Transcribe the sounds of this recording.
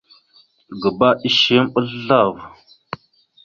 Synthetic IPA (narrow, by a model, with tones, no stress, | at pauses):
ɡə˨ba˦i˦ʃe˦mɓə˦ɮa˦˨v